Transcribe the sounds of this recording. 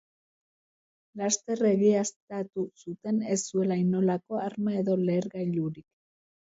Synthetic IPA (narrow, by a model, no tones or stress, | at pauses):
last̪e̞re̞ɣiast̪at̪usut̪e̞nesːue̞lajno̞lako̞aɾmae̞ðo̞le̞ːɾɣajʎuɾik